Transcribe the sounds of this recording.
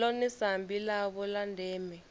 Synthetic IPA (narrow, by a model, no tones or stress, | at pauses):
ɔnisambʱilaβɔlandʱɛːmɛ